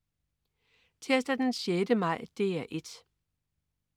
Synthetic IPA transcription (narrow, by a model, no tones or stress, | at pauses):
t͡sʰesd̥ɐd̥enɕjed̥əmɑ̈ɪ̰d̥e̝̰ːæʔe̝d̥